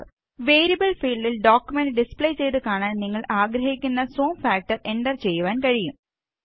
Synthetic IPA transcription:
ʋeːɾiɐbɐɭfiːɭɖilɖoːkʲjumenɖispɭejt͡ɕe̞jt̪ɨkaːɳaːnniŋːɐɭaːɡɾɐɦikʲːunːɐsoːmfaːk̚ʈɐre̞ɳɖɐrt͡ɕe̞jːuʋaːnkɐɻijum

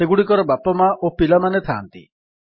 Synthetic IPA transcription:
eɡuɽikɔɾɔbapɔmaʔopilamanet̪ʰaːnt̪ḭ

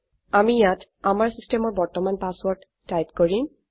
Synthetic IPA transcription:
amijat | amaɹsistemɔɹbɔɹtɔmanpaswɔɹɖːajpkoɹim

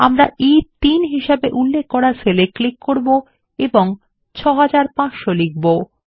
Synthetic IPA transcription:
a̰mɾaʔit̪inɦiʃabeʔulːekːɔɾasʰeleklikːoɾbo | eboŋ | t͡ɕʰɔɦad͡ʑaɾpãt͡ɕʃolik̚bo

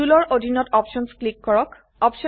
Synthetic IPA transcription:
ulɔɹodʱinɔtɔpʃɔnsklikːɔɹɔk | ɔpʃɔ

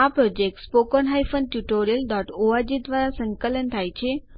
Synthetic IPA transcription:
apɾod͡ʑek̚ʈspokənɦajfənɖʈjuʈoɾijəlɖɔʈoad͡ʑid̪ʋaɾasə̃ŋkələnt̪ʰajt͡ɕʰe

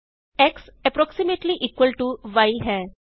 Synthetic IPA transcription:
ɛksɛpɾɔksimeʈliʔiːkʋəlʈuʋajɦɛ

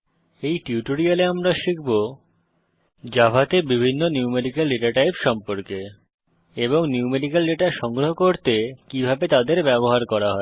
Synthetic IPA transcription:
ejʈiuʈoɾialeamɾaʃikʰbo | d͡ʑabʱat̪ebibʱinːoniumeɖikelːeʈaɾʈajpʃɔmpoɾke | eboŋniumeɖikelːeʈaʃɔŋɡɾoɦokoɾt̪ekibʱabet̪ad̪eɾbɛboɦaɾkɔɾaɦɔe

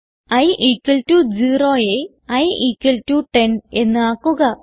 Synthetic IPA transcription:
ɐjʔikːɐltud͡ʑiːroːje | ɐjiːkːɐltuʈe̞ne̞nːɨaːkːuɣɐ

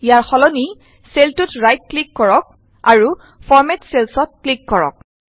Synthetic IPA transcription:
jaɹxɔlɔni | seltutɹajt̚klikːɔɹɔk̚ | aɹu | fɔɹmɛtselsɔt̚klikːɔɹɔ̰k̚

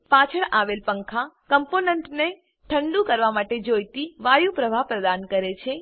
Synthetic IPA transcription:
pat͡ʃʰəɭaʋelpəŋkʰakəmponeɳʈne | ʈʰəɳɖũkəɾʋamaʈed͡ʒojt̪iʋajũpɾəʋʱapɾəd̪ankəɾet͡ʃʰe

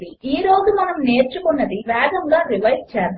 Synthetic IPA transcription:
iiːɾoːzumɐnɐmne̞ːɾt͡ʃukunːɐd̪iʋɛːɡ̪ɐŋɡaːɾiʋɐj̚t͡ʃɛːɾ

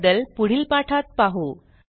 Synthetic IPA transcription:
d̪əlpuɽ̤iːlpaʈʰat̪̚paɦo

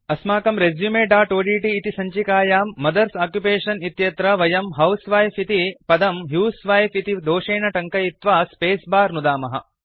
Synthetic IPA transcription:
ɐsmaːkɐmɾezjumeːɖaːʈoːɖiːʈiːt̪isɐɲt͡ʃikaːjaːmːɐd̪ɐɾsaːkjupeːʂɐnit̪jɐt̪ɾɐʋɐjɐmɦɐwsʋaːjfit̪ipɐd̪ɐmɦjuːsʋaːjfit̪id̪oːʂeːnɐʈɐŋkɐjit̪ʋaːspeːsbaːɾnud̪aːmɐɦɐ̰

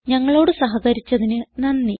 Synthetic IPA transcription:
ɲɐŋːɐɭo̞ːɽɨsɐɦɐɣɐɾit͡ɕːɐðinɨnɐnːi

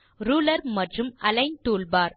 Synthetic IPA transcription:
ɾuːlɐɾmɐʈrɯmɐlɐɪɲt̪uːɭbaːɾ

